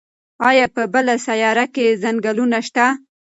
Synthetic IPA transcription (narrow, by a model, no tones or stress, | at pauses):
ɑjɑpəbəlasajɑɾakezaŋɡalunaʃt̪a